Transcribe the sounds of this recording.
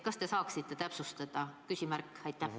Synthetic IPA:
kɑst̪e̞sɑːksit̪ːˑe̞t̪æpsust̪ɑd̪̥ɑkysʲimærkːɑjt̪ˑːæ

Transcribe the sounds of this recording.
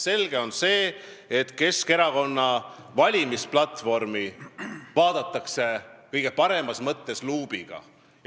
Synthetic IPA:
se̞lɡ̥e̞o̞nse̞ː | et̪ːˑke̞ske̞ɾɑko̞nːɑ | vɑlʲimisplɑt̪ˑvo̞rmivɑːd̪̥ɑt̪ːˑɑkse̞kɤjɡ̥e̞pɑɾe̞mɑsmɤt̪ːe̞sluːb̥iɡ̥ɑ̰

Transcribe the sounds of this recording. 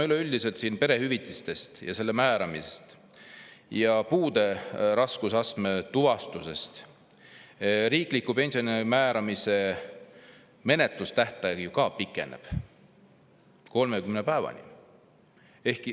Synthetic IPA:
ɑyleyld̪ise̞lt̪siːnpe̞ɾe̞hyvit̪ːˑist̪e̞st̪jɑ̰se̞lːemæːɾɑmise̥st̪ | jɑpuːd̪̥e̞ɾɑskusɑst̪met̪uvɑst̪use̞st̪ | ɾiːklikːˑupe̞nʲsionimæːɾɑmise̞ | me̞ne̞t̪lust̪æht̪ɑjɑɡjukɑːpikːˑe̞nḛb̥ | ko̞lmekymnepæːvɑ̰nḭ | e̞hki

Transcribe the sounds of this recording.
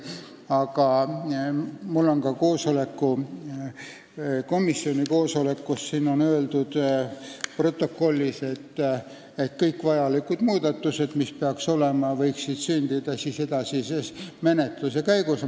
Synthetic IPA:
ɑɡɑ | mulːo̞ŋkɑko̞ːso̞le̞kːu | ko̞misːio̞nʲiko̞ːso̞le̞kkːusːiːno̞nøeld̪ud̪̥ | pro̞t̪ːˑo̞kːo̞lʲːise̞t̪ː | et̪kɤjkːˑvɑjɑlikud̪̥muːd̪ɑt̪ːˑuse̞d̪̥mispeɑkso̞lemɑvɤjksid̪̥synʲd̪̥id̪̥ɑsise̞d̪̥ɑsismene̞t̪lusekæjɡ̥us

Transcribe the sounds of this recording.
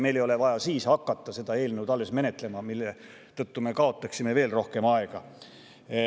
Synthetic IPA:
me̞jlejo̞le̞vɑjɑsiːshɑkːɑt̪ːɑse̞d̪̥ɑe̞ːlnewd̪̥ɑlːe̞sme̞ne̞t̪ˑle̞mɑmilːe | t̪ɤt̪ːume̞kɑo̞t̪ːˑɑksime̞ve̞ːlro̞hke̞mɑeɡ̥ɑ

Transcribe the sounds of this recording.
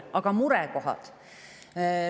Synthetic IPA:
ʔɑɡ̥ɑmuɾɛko̞ɦɑ̰d̪̥

